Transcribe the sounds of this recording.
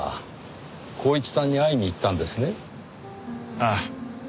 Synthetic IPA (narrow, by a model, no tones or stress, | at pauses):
kʰo̞ːit͡sɨ̥sãɲ̟ːiaiɲ̟iːt̪ːãnd̪e̞sɨne̞ | a